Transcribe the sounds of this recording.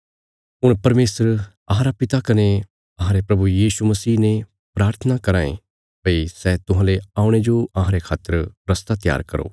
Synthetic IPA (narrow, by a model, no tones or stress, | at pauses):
ɦʊɽ̃pɐɾmeːsəɾ | ɐɦãɾapɪt̪akɐne | ɐɦãɾepɾɐbujiːʃumɐsiːne | pɾaːɾt̪ʰənakɐɾaːḛ̃ | pɐisɛːt̪ʊɦãːleaːʊɽ̃ed͡ʒoɐɦãːɾekʰaːt̪ːəɾɾɐst̪at̪ja̰ːɾkɐɾo̰ː